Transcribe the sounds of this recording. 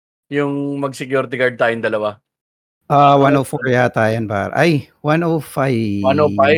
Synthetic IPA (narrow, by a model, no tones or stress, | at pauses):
jʊŋmɐɡ̚sɪkjuɾt̪ɪɡaɹd̪̚t̪aːjond̪ɐlɐwa | ʔawanowfɔɹjat̪aːjɐnpa̰ɾɐ̰ʔɐj | wanowfajwanoa